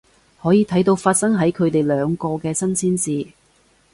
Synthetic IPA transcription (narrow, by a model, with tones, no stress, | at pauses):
hɔː˨˥jiː˨˧t̪ʰjt̪o˧wfaː˧t̚sɐ˥ŋɦɐ˨˥jkʰɵ˨˧ɥt̪e˨jlœː˨˧ŋkɔː˧kɛː˧sɐ˥nsiː˥nsiː˨˧